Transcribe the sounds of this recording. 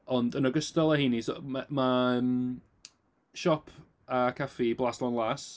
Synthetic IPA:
ɔndənɔɡəstalˠahinisɔ̰mamaəm | ʃɔpʰ | akʰafiblˠaslˠɔnlˠas

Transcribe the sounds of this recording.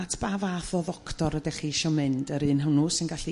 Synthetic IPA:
tʰb̥aːvaθɔðɔktɔɾədɛχiʃɔmɨndəɾɨːnɦəwnusɪnɡaɬi

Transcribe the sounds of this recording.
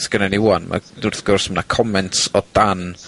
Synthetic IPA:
sɡ̥ənɛniwanma̰nʊrθɡʊrsmənakʰɔmɛntsɔd̥an

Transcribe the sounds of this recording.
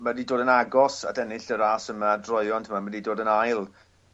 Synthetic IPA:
madidoːdənaɡɔsa̰dɛnɪɬəɾaːsəmadrɔɨɔntʰəmamadidoːdənajlˠ

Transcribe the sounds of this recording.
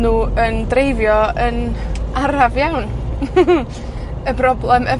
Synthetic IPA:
nuːəndɾejvjɔənaɾavjawn | əbrɔblɛmə

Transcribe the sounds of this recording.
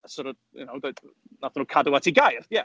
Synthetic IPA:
əsɔɾəd̚ | jʊ̰nowded̥ | naθnuːkʰadəwatʰiɡajrjɛ

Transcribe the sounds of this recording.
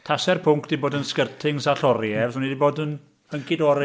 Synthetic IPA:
tʰasɛrpʰʊŋkd̥iboːdənskərtʰɪŋsaɬɔɾjɛvsʊnidiboːdən | həŋkʰɪdɔɾ

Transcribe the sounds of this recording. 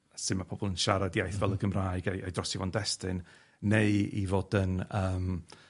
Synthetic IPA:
sɨmapʰɔb̥ɔlˠənʃaɾadijajθvɛlˠəɡəmraːɨɡajʔa̰jdrɔsivɔndɛstɨn | nejḭvoːdənəːm

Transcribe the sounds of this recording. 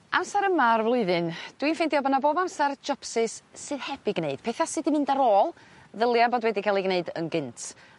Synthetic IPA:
amsaɾəmarvlˠʊɨðɨnd̥winfɛndiɔbanaboːbamsard͡ʒɔpsɨsːɨðhɛb̥iɡneɨd̥pʰɛθasɨdinmɨndaɾoːlˠ | ðəlˠjaboːdwɛdikʰalˠiɡneɨdə̰nɡɪntʰ

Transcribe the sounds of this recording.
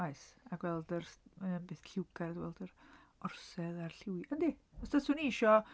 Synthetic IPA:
ajsaɡwɛlˠdərmaənbeːθɬɪwɡaɾdwɛlˠdər | ɔrsɛðarɬɪwiəndiɔsd̥əsuniʃɔ

